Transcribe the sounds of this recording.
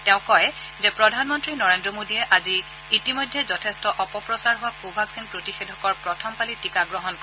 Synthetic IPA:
tɛʊ̃kɔj | zɛpɹɔdʱanmɔntɹinɔɹendɹɔmodijɛʔaziː | timɔjdʱːɛzɔtʰɛstɔʔɔpɔpɹɔsaɹɦʊwakubʱaksinpɹotixedʱɔkɔɹpɹɔtʰɔmpalitikaɡɹɔɦɔnkɔ

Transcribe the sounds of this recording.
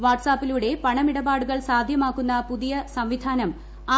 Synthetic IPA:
ʋaːʈsaːpːiluːɽe̞pɐɳɐmiɽɐbaːɽuɣɐɭsaːd̪ʱjɐmaːkːunːɐpuðijɐsɐmʋid̪ʱaːnɐm | aː

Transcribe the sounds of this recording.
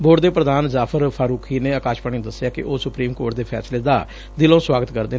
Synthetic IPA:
boːʈd̪eːpɾəd̪aːnzaːpʰəɾpʰaːɾuːkʰiːneːəkaːʃpaːɳ̃ĩːd̪əsːɪjaːkɪ̰ʔoːsʊpɾiːmkoːʈd̪eːpʰɛ̰ːsleːd̪a̰ː | d̪ɪlõːswaːɡət̪kəɾd̪eː

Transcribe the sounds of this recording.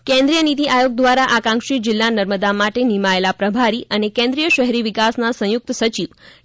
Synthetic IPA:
kɛ̃nd̪ɾijənit̪iʔajoɡ̚d̪ʋaɾaʔakãŋkʃid͡ʒɪlːanəɾməd̪amaʈenimaelapɾəbʱaɾiʔənekɛ̃nd̪ɾijəʃəɦɾiʋikasnasə̃jʊk̚t̪sət͡ʃiʋ

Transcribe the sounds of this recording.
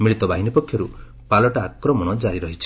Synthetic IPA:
miɭit̪ɔbaɦinipɔkʰːjɔɾu | palɔʈaːkɾɔmɔɽ̃ɔd͡ʒaɾiɾɔɦit͡ʃʰi̥

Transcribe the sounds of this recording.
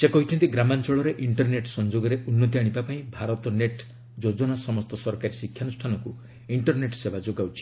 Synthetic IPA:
sekɔɦit͡ʃʰɔnt̪iɡɾamant͡ʃɔɭɔɾeʔiɳʈɔɾneʈsɔnd͡ʒoɡɔɾeʔunːɔt̪̬iaɽ̃ibapaĩbʱaɾɔt̪ɔneʈ | d͡ʒod͡ʒɔnasɔmɔst̪ɔsɔɾkaɾisikʰjanusʈʰanɔku | iɳʈɔɾneʈsebad͡ʒoɡawt͡ʃʰi̥

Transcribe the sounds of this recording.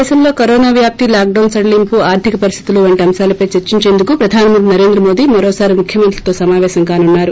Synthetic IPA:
sɐmlo̞ːkɐɾoːnaːʋjaːp̚t̪ilaːk̚ɖɐwnsɐɽɐlimpuaːɾt̪ʰikɐpɐɾist̪ʰit̪uluʋɐɳʈiɐmʃaːlɐpɐjt͡ʃeɾt͡ʃiɲt͡ʃe̞ːnd̪ukupɾɐd̪ʱaːnɐmɐnʈ̪̬inɐɾe̞ːnd̪ɾɐmoːd̪imɐɾɔːsaːɾimukʰjɐmɐnt̪lit̪o̞ːsɐmaːʋɛːʃɐŋkaːnunːaːɾu

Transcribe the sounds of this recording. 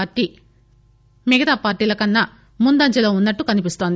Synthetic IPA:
ʈːi | miɡɐt̪aːpaːɾʈːiːlɐkɐnːɐ | mund̪ɐɲt͡ʃɐlo̞ːunːɐʈːukɐnipist̪o̞ːnd̪i

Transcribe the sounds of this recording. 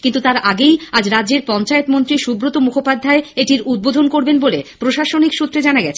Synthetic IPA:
kint̪ut̪aɾaɡejad͡ʑɾad͡ʑeɾpɔnt͡ɕaet̪mont̪ɾiʃubɾot̪omukʰopad̪ʱːaeeʈiɾud̪̚bod̪ʱonkoɾbenbolepɾoʃaʃonikʃut̪ːɾed͡ʑanaɡɛt͡ɕʰe̥

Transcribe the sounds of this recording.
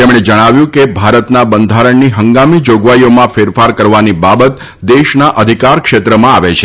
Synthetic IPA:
t̪emɽ̃ed͡ʒəɽ̃aʋjũkebʱaɾət̪nabənd̪ʱaɾəɳniɦəŋɡamid͡ʒoɡʋaijomãfeɾfaɾkəɾʋanibabət̪ | d̪eʃnaʔəd̪ʱikaɾkʃet̪ɾəmãaʋet͡ʃʰe

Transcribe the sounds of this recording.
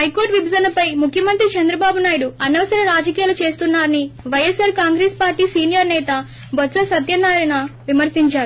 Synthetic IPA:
ɦɐjkoːɾʈʋibzɐnɐpɐjmukʰjɐmɐnt̪ɾit͡ʃɐnd̪ɾɐbaːbunaːjɐɽuɐnɐʋɐsɐɾɐɾaːd͡ʒɐkiːjaːlut͡ʃe̞ːst̪unːaːɾɐniʋɐjesaːɾkaːŋɡɾeːspaːɾʈiːsiːnijɐɾnɛːt̪ɐ | bɐt̪ːsɐsɐd̪jɐnaːɾinɐʋimɐɾsiɲt͡ʃaːɾu

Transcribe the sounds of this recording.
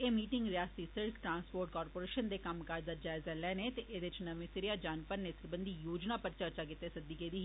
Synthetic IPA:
eːmiːʈɪ̃ŋɡɾjaːst̪isɪɾkʰʈɾãːnspoːɾʈkɔːɾpoːɾeːʃənd̪ekɐmkaːɾd̪əɾd͡ʒaːɪzɛlɛːnet̪eʔeːd̪ɪt͡ʃnɐmẽsɪɾijad͡ʒaːnpəɾnesɪɾbə̃nd̪ʱijoːd͡ʒnapɐɾt͡ʃəɾt͡ʃak̬ɪt̪ːesɐd̪iked̪iɦi

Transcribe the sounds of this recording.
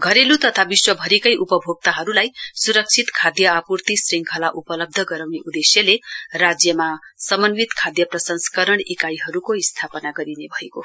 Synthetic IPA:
ɡʱʌɾelut̪ʌt̪ʰabiswʌbʱʌɾekʌjʔupʌbʱoɡ̚t̪aɦʌɾulajsuɾʌk̚t͡sʰit̪kʰad̪jʌːpurt̪isriŋkʰʌlaʔupʌlʌb̚d̪ʱʌɡʌɾawneʔud̪esjʌlerad͡zjʌmasʌmʌnwit̪kʰad̪jʌprʌsʌŋskʌɾʌɳikajɦʌɾukoist̪ʰapʌnaɡʌɾinebʱʌeko

